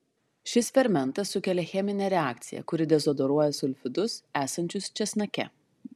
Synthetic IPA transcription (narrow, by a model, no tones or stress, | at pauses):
ʃʲɪsfʲɛɾʲmʲɛnt̪ɐsːʊkʲɛlʲɛxʲɛmʲɪnʲɛɾʲɛaːk̚t̪sʲɪjɛ̰kʊɾʲɪd̪ʲɛzɔd̪ɔɾuɔjɛsʊlʲfʲɪd̪ʊsæːsɐnʲt͡ʃʲʊst͡ʃʲɛsʲnɐkʲɛ̰